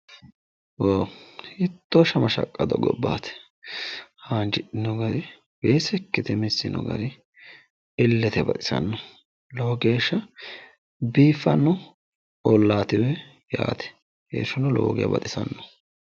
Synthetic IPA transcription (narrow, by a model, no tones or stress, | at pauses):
woːhɪt̪ːoʃɐmɐʃɐ̰kʼːɐd̪ɔɡɔbːa̰ːt̪ɛ̥ | haːnd͡ʒɪᶑɪnɔɡɐɾɪ | beːsɛkːɛt̪ɛmɪsːɪnɔ̰ɡɐ̰ɾɪ | ɪlːɛt̪ɛbɐt̪ʼɪ̥sɐ̰nːɔ | loːɡeːʃːɐ | biːfːɐnːɔ | ɔlːaːt̪ɪwɛ | ja̰ːt̪ɛ̥ | hḛːʃɔnɔlo̰ːɡɪ̰jɐ̰bɐ̰t̪ʼɪsɐnːɔ̥